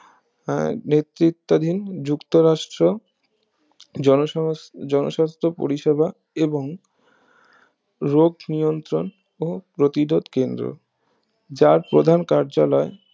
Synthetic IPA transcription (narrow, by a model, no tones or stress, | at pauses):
net̪ɾit̪ːad̪ʱind͡ʑukt̪oɾaʃʈɾo | d͡ʑɔnoʃast̪ʰopo̰ɾiʃebʱa | eboŋ | ɾoɡnijont̪ɾon | opɾot̪idʱod̪kend̪ɾo̰ | d͡ʑaɾpɾod̪ʱankaɾd͡ʑalɔe